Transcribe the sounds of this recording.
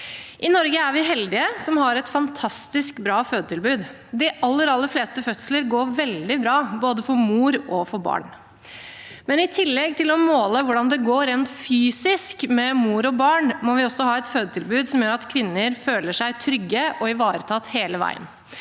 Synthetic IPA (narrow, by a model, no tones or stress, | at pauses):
ʔɪnɔɾɡəæɾʋɪɦɛld̪ɪəsɔmhɑɾɛt̪fɑnt̪ʰɑst̪ɪskbɾɑːføːd̪ət̪ʰɪlbʉːd̪ | d̪ɪʔɑlːəɾɑlːəɾfleːst̪əfœt̪sləɾɡoːɾʋɛld̪ɪbɾɑːboːd̪əfʰɔmuːɾɔfɔɾbɑ̰ːɳ | mɛnɪt̪ʰɪlːɛɡ̚t̪ʰɪlɔmoːləʋʊɖɑnd̪ɛɡoːɾeːnt̪fyːsɪskmɛmuːɾɔbɑːɳmɔʋɪɔsɔhɑːɛt̪føːd̪ət̪ʰɪlbʉːd̪sɔmjøːɾɑt̪kʰʋɪnːəɾføːləʂæɪt̪ʰɾʏɡːəʔɔɪʋɑːɾət̪ʰɑːt̪heːləʋæ̰ɪə̰n